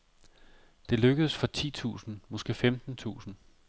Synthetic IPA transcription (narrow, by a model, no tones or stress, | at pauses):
d̥e̝løɡ̥əðˠəsfɒ̽t͡sʰḭːt͡sʰṵːsn̩mɒ̽sɡ̥e̝̰ːfemd̥n̩t͡sʰṵːsn̩